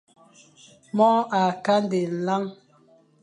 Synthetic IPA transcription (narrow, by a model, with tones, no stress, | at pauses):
mɔ˦a˨ka˦n˦de˨n̩˨la˦ŋ